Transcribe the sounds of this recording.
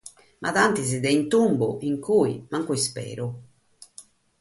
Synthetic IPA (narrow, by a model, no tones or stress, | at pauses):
mʔaðant̪izid̪ɛint̪umbṵʔiŋkuḭmaŋkuispɛ̰ːɾu